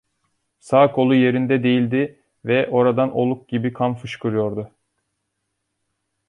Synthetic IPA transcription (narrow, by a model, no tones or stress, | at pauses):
saːkʰo̞lˠuje̞ɾind̪ɛd̪e̞jilʲd̪ɪ | vɛʔo̞ɾad̪anʔo̞̰lˠuk̚ɟibikʰanfɯʃkʰɯɾɯjo̞ɾd̪ʊ